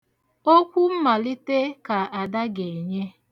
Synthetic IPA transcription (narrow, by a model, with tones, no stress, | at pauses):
o˦kʷu˦m̩˦ma˨li˦te˦ka˨a˨da˦ɡe˨ɲe˦